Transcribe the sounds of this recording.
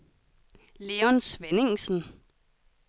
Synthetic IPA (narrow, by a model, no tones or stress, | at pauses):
leːɔnsʋeneŋsn̩